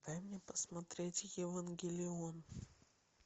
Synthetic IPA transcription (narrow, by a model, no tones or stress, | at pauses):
t̪ajmnʲepəsmɐt̪ɾʲetʲjɪvanɡʲɪlʲɪon